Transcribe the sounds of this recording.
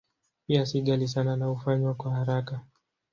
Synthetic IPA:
piasiɠalis̬ananaufaɲwakwahaɾaka

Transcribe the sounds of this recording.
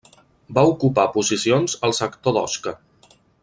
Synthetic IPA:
baukupapuzisionzəlˠsəkt̪oðɔ̰skə

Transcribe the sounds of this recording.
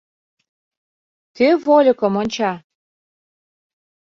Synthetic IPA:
t̪evolʲɤ̆kɤ̆monʲt͡ɕɑ

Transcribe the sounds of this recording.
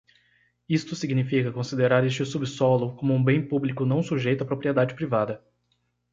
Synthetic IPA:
ist̪ʊsiɡnifikɐkõsid̪eɾaɾest͡ʃɪsubɪsɔlʊkõmʊũbẽj̃publikʊnɐ̃w̃suʒejt̪ʊapɾopɾied̪ad͡ʒɪpɾivad̪ɐ

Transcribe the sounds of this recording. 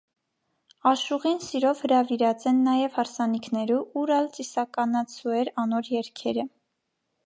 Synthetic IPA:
ɑʃuʁinsiɾɔvhəɾɑviɾɑt͡sɛnːɑjɛvhɑɾsɑnikʰnɛɾuʔuɾɑlt͡sʼisɑkɑnɑt͡sʰuɛɾɑnɔɾjɛɾkʰɛɾə

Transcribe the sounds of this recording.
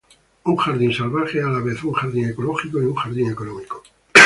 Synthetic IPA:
uŋxaɾðinsalβaxealaβ̞eθuŋxaɾðiŋekoloxikoiuŋxaɾðiŋe̞konomiko

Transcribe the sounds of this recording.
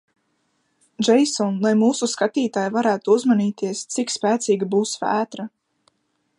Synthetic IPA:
d͡ʒɛjsɔnlˠajmuːsuskat̪iːt̪aːjvaɾæːt̪uuzmaniːt̪iɛst̪sikspæːt̪siːɡabuːsvæːt̪ɾa

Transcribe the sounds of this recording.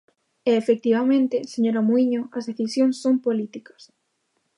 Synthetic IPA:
eːfek̚t̪iβamẽnt̪eseɲoɾamuiɲoɐzðeθisjõŋsːompolit̪ikɐ̥s

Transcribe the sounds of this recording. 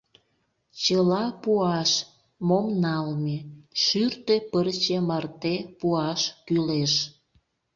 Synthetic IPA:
t͡ɕəlɑpuɑʃ | momnɑlmeʃyrt̪epərt͡ɕemɑrt̪epuɑʃkyleʃ

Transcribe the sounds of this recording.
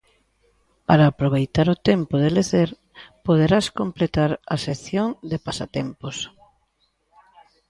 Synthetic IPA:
paɾaːpɾoβ̞ejt̪aɾʊt̪empoðeleθeɾ | poð̞eɾaskõmplet̪aɾɐseθjoŋd̪epasat̪empos

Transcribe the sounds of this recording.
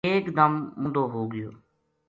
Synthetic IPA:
eːkd̪əmmʊ̃nd̪oːɦoːɡɪjo̰ː

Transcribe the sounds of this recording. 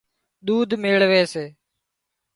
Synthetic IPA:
ɗ̪uːd̪ʱmeːɭʋeːseː

